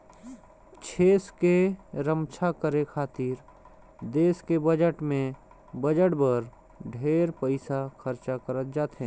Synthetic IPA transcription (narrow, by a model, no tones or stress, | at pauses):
t͡ʃʰeːskeɾəmt͡ʃʰakəɾekʰaːt̪iːɾ | d̪eːskebəd͡ʒəʈmẽ | bəd͡ʒəʈbəɾ | ɖʱeːɾpəɪsaxʰəɾt͡ʃakəɾət̪̚d͡ʒaːt̪ɦɛ̃ː